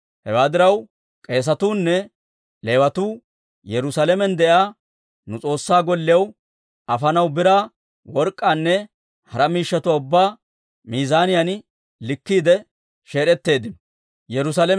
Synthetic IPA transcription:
hɛwaːd̪ɪɾɐw | kʼe̞ːs̬ɐt̪uːnːɛ | le̞ːwɐt̪uː | jɛɾʊsalɛmɛnd̪ɛʔaː | nʊt͡sʼo̞ːsːaːɡɔlːɪjɐw | ʔɐfɐnɐwbɪɾaː | wɔɾkʼːaːnːɛ | hɐɾɐmiːʃːɐt̪ʊaʊbːaː | miːzaːnɪjɐn | lɪkːiːd̪ɛ | ʃe̞ːɾɛt̪ːe̞ːd̪ɪn | jɛɾʊsaːlɛ

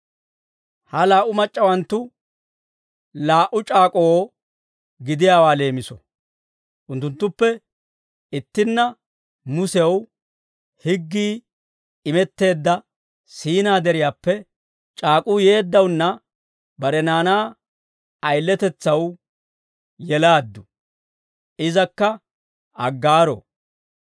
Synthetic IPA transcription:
hɐlaːʔʊmɐt͡ʃʼːɐwɐnt̪ːʊ | laːʔʊt͡ʃʼaːkʼoo | ɡɪd̪ɪjaːwaːle̞ːmɪsɔ̰ | ʔʊnt̪ːʊnt̪ːʊpːɛ | ɪt̪ːɪnːɐ | mʊsɛw | hɪɡːiː | ɪmɛt̪ːe̞ːd̪ːɐ | siːnaːd̪ɛɾɪjaːpːɛ | t͡ʃʼaːkʼʊje̞ːd̪ːɐwnːɐ | bɐɾɛnaːnaː | ɐjlːɛt̪ɛt͡sːɐw | jɛlaːd̪ːʊ | ʔɪzɐkːɐ | ʔɐɡːaːɾo̰

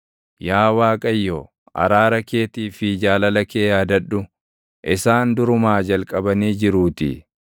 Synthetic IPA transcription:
jaːwaːkʼɐjːoː | ʔɐ̰ɾaːɾɐke̞ːt̪iːfɪd͡ʒaːlɐlɐkeːjaːd̪ɐᶑːʊ | ʔɪsaːnd̪ʊɾʊmaːd͡ʒɐlkʼɐbɐniːd͡ʒɪɾuːt̪ɪ̰

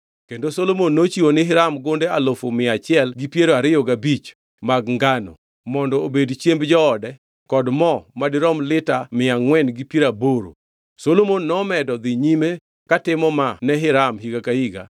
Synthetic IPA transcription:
kendosolomonːot͡ʃiwonɪɦɪɾamɡondealofomɪat͡ʃɪɛlɡipjeɾoaɾɪjɔɡabit͡ʃ | maɡŋɡanɔ̰ | mɔndɔobedt͡ʃjembd͡ʒɔːdɛ | kɔdmɔmadɪɾɔmlɪtamɪaŋwɛnɡipjeɾaboɾo̰ | solomonːɔmɛdɔd̪ɪɲime | katɪmɔmanɛɦɪɾamɦiɡakaiɡa̰

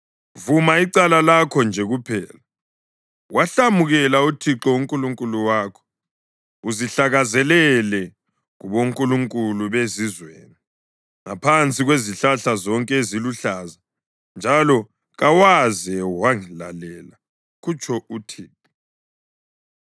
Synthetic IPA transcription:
vumaiǀalalakʰɔnd͡ʒʱɛɣupʰɛːla | waɬamuɣɛlautʰiǁɔuŋkʼuluŋkʼuluwaːkʰɔ̥ | uziɬaɣazɛlɛlɛ | ɣuβoŋkʼuluŋkʼuluβezizwḛːni | ŋa̰pʰant͡sʼiɣweziɬaɬazɔŋkʼɛeziluɬaːza | nd͡ʒʱalɔ | ɣawazɛwaŋila̰lɛla | ɣut͡ʃʰɔʔutʰiːǁɔ

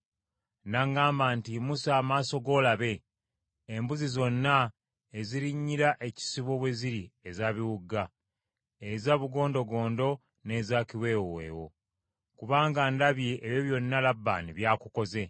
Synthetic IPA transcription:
naŋɡaːmbaːntimusaːmaːso̞ɡo̞ːlaβe̞ | embuzizo̞nːa | eziɾiɲːiɾaʔe̞ci̥siβo̞βwe̞ziɾiezaːβiwuɡa | ezaβuɡo̞ːndo̞ɡo̞ːndo̞ | ne̞ːzaːciwe̞ːwḛːwo̞̰ | kuβaːŋɡandaβjeʔːβjeβjo̞nːalabːa̰ːniβjaːkuko̞ze̞

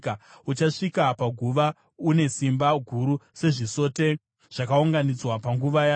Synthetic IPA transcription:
kaut͡ʃaʂikapaɡʱuʋa | une̞simbaɡʱuɾuse̞ʐiso̞ːte̞ | ʐ̥akauŋɡanid͡zwapaŋɡuʋaja

